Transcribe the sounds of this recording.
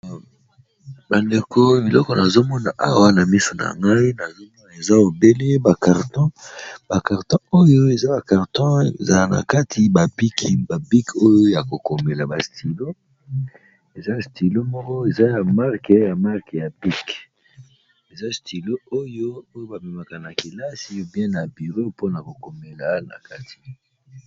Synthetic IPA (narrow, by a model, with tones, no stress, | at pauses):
ba˨nde˨kʰo˦bi˨lɔ˦kɔ˨na˨zo˦mɔ˦na˨ʔa̰˨wa˦na˨mi˦so˨na̰˨ŋɡa˦i˦na˨zo˦mɔ˦na˨e˨za˦o˨be˦le˦ba˨ka˨ʁtɔ̃˦ba˨ka˨ʁtɔ̃˦o˦jo˦e˨za˦ba˨ka˨ʁtɔ̃˦˨za˨la˨na̰˨ka˦tʰi˨ba˨bi˦kʰi˨ba˨bi˦ko˦jo˦ja˨ko˨ko˨me˨la˨ba˨stʰi˨lo˦ | e˨za˦sti˨lo˦mɔ˦kɔ˦e˨za˦ja˨ma˦ʁkja˨ma˦ʁkja˨bi˦k | e˨za˦stʰi˨lo˦o˦jo˦o˦jo˦ba˨mɛ˨ma˨ka˨na˨ki˨la˦si˦bjɛ̃˦na˨bi˨ʁo˦po˦na˨ko˨ko˨me˨la˦na̰˨ka˦ti̥˨